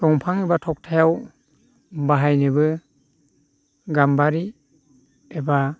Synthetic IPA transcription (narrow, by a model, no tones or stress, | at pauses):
tɔŋpʰaŋibatʰɔk̚tʰajaw | baɦajnɯbɯ | ɡambaɾi | eba